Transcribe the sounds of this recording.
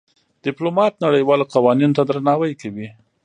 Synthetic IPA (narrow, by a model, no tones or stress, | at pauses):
d̪̥ɪplomɑt̪naɽəjwɑloqawɑninot̪ad̪ɾanɑwajkawi